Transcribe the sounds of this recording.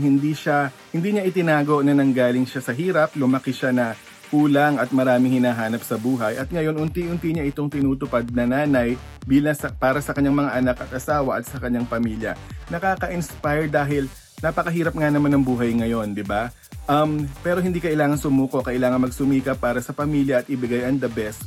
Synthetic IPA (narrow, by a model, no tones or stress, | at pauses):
hɪnd̪iʃahɪnd̪iːɲɐʔɪt̪ɪnaːɡo̞nɐnɐŋɡaːlɪŋʃasɐɦiːɾɐplʊmɐkɪʃanɐ | puːlɐŋɐt̪̚mɐɾaːmɪŋhɪnaːɦaːnɐpsɐbuːɦɐjʔɐt̪̚ŋɐjo̞nʔʊnt̪iʔʊnt̪iɲaʔɪt̪o̞ŋt̪ɪnuːt̪ʊpad̪̚nɐnaːnɐj | biːlɐŋsɐpaːɾɐsɐkɐɲaŋmɐŋaʔɐnakɐt̪̚ʔɐsaːwɐʔɐt̪̚sɐkɐɲːaŋpɐmiːljɐ̰nɐkaːkɐʔɪnspajɾd̪aːɦɪl | nɐpɐkɐɦiːɾɐp̚ŋanɐmanɐŋbuːɦɐjŋɐjo̞nd̪ɪba | ʔɐmpɛːɾo̞ɦɪnd̪iːkɐʔɪlaːŋɐnsʊmuːko̞kɐʔɪlaːŋɐnmɐɡsʊmiːkɐpːaːɾɐsɐpɐmiːljɐʔːt̪ʔɪbɪɡajɐŋd̪ɐbɛs